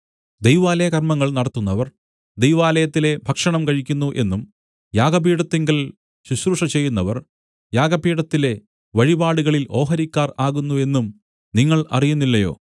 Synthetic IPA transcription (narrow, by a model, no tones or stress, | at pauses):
d̪ejʋaːlɐjɐkɐrmɐŋːɐɭnɐɽɐt̪ːunːɐʋɐr | d̪ejʋaːlɐjɐt̪ːile̞bʱɐkʂɐɳɐmkɐɻikʲːunːuʔe̞̰nːum | jaːɡɐpiːɽɐt̪ːeŋɡɐl | ɕuɕruʂɐt͡ɕe̞jːunːɐʋɐr | jaːɡɐpiːɽɐt̪ːile̞ | ʋɐɻibaːɽuɣɐɭilʔo̞ːɦɐɾikʲːaːraːɣunːue̞nːum | niŋːɐɭɐ̰rijunːilːɐjo̞̰ː